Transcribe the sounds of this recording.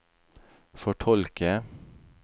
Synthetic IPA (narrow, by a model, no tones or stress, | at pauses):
fɔʈʰɔlkə